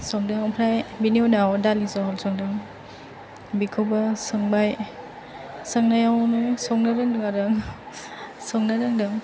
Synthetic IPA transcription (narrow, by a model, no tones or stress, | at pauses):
sɔŋdɯŋɔpʰɾajbiniodawdalisɔɦɔlsɔŋdɯŋ | bikʰowbasɯŋbaj | sɯŋnajawnɯsɔŋnaɾɯŋdɯŋaɾɯŋ | sɔŋnaɾɯŋdɯŋ